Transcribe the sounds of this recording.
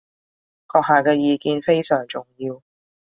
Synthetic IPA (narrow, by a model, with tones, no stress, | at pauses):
kɔː˧k̚haː˨kɛː˧jiː˨kiː˧nfe˥jsœː˨˩ŋt͡sʊ˨˩ŋjiː˧w